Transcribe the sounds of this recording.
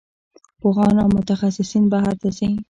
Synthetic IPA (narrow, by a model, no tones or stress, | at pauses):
pʊɣɑnawmʊt̪axasɪsinbaɦaɾt̪azi